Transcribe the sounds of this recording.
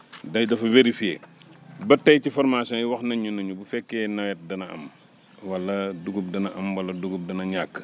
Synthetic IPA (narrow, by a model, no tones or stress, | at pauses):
dɐjdɐfuveɾifiḛːbɐtːɐjcifɔɾmasɔ̃jiwɐxnɐɲunɐɲubufɛkːɛːnɐwɛt̚dɐnɐɐ̰m | wɐlːɐduɡup̚dɐnɐʔɐmwɐlɐduɡup̚dɐnɐɲakː